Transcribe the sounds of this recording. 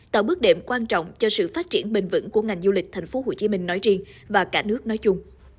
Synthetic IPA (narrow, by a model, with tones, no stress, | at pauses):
t̪a̰ː˧˨˩ɓɨ˦˥ək̚ɗḛ˧˨mkwaː˧nt͡ɕɔ̰˧˨wŋ͡mt͡ɕɔ˧sɨ̰˧˨faː˦˥t̚t͡ɕi˧˩ənɓï˨˩ŋ̟vɨ̰˧˥nku˧˩əŋa˨˩jŋzu˧lï˨˩k̟̚t̪ʰa˨˩jŋ̟fo˨˦ho̰˧˩˨t͡ɕi˨˦mï˧ŋ̟nɔ˨˦jt͡ɕi˧ənvaː˨˩kaː˧˥˩nɨ˦˥ək̚nɔ˨˦jt͡ɕʊ˧ŋ͡m